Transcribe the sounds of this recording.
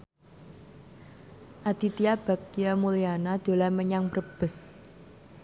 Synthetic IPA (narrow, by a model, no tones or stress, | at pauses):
ʔad̪̥i̤t̪iab̥a̤k̪̚ijamulianad̪̥o̤laməɲaŋbrəb̥ə̤s